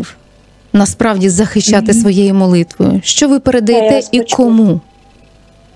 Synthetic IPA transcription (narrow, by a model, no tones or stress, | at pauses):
w | nɐspɾɑwdʲizɐxɪʃt͡ʃːɑt̪ɪsʋɔjejimɔlˠɪt̪ʋɔ̰jʊ̰ʃt͡ʃɔʋɪpeɾed̪ɐjɛt̪ɛikʰɔmu